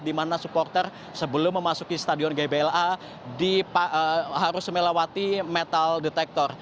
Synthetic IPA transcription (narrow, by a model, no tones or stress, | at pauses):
dimanasupɔrt̪ər | səbəlʊmːəmasukist̪adiɔnɡebeɛla | dipaəɦaɾʊsməlawat̪imɛt̪aldet̪ɛk̚t̪ɔr